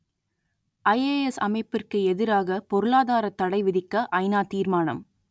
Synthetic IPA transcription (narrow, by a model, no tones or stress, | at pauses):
ʔɐɪeːɛsɐmɐɪpːɪrkɯɛðɪɾaːɣɐpɔɾɯɭaːðaːɾɐt̪ːɐɽɐɪʋɪðɪkːɐʔɐɪnaːt̪iːɾmaːnɐ̰m